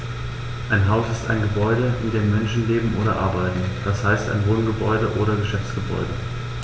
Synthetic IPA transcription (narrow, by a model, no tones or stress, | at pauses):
ʔaɪnɦaʊsɪsta̰ɪnɡəbɔʏɾəʔɪndeːmːɛnʃn̩leːbm̩ʔoːɾɐʔaɐbaɪtn̩d̥ashaɪsta̰ɪnvoːnɡəbɔʏdəʔoːɾɐɡəʃɛft͡sɡ̥əbɔ̰ʏdə